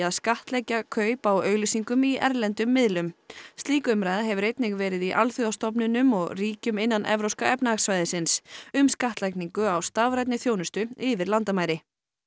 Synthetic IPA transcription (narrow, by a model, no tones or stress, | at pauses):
aðskaht̪lɛjcakʰœːɥpawœːɥɣlisiŋkʏmiʔɛ̰ɾlɛnt̪ʏmːɪðlʏmst̪liːkʏmɾajðaɦɛvʏɾejt̪̚nɪɣvɛːɾɪðiʔalθʏawst̪ɔp̬nɪnʏmɔɣriːcʏmɪnːanʔɛ̰vɾowskaɛpnaaxsvajðɪsɪnsʏmskaht̪lajkniŋkʏawst̪avɾajt̪nɪθjownʏst̪ʏɪvɪɾlant̪amaːjɾɪ